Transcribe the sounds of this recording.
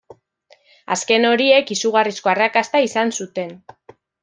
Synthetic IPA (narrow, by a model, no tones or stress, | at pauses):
a̰ske̞no̞ɾie̞kisuɣ̞arisko̞arakast̪aisansut̪e̞n